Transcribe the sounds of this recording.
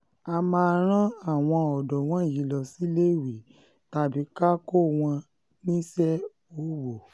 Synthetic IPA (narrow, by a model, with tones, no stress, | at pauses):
a˧mãː˧ɾ̃ã˦a˦˨w̃ɔ̃˧ɔ˨dɔ˨w̃ɔ̃˨˦˨ji˨˦lɔ˧si˦le˦˨wi˨ | ta˧˨bi˨˦ka˦ko˦w̃ɔ̃˧ | nĩ˦sɛ˦ | o˨˦wo˨